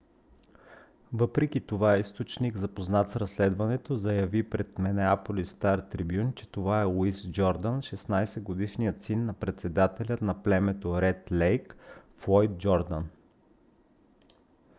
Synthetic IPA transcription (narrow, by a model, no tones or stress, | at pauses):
vɤpɾɛk̟it̪ovaɛist̪ot͡ʃniɡzɐpoznat̪sɾɐslɛd̪vɐnɛt̪ozɐjɐvipɾɛt̪mɛnɛapolist̪aɾt̪ɾibjunt͡ʃɛt̪ovaɛlˠuisd͡ʒɔɾd̪ənʃɛsnajsɛɡod̪iʃnijət̪sinːɐpɾɛt̪sɛd̪at̪ɛlʲət̪nɐplɛmɛt̪oɾɛt̪lɛjkflˠɔjt̪̚d͡ʒɔɾd̪ən